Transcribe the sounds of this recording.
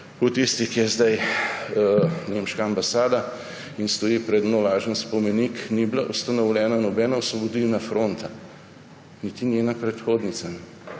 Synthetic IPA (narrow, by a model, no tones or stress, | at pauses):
ut̪ist̪ikijɛzd̪aj | nemʃkaːmbasaːd̪a | inst̪ɔjipɾɛd̪nolaːʒənspɔmɛnikniblaʔust̪anɔwlʲɛːnanɔbɛːnawsʋɔbod̪ilnafɾoːnt̪a | nit̪inʲjeːnapɾɛt̪xoːd̪nit̪sanɛ